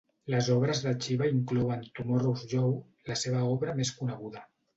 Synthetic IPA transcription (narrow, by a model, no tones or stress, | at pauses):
ləzɔβ̞ɾəzðət͡ʃiβəiŋklɔwənt̪umoruzʒɔw | ləseβ̞əɔβɾəmeskunəɣ̞uðə